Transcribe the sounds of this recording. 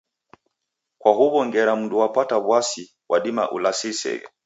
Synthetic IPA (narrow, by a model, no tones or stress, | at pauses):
kwaɦuβɔŋɡɛɾam̩nduwapataβwasi | wʔaɗima̰ʔṵlasisɛ̰ɡɛ̰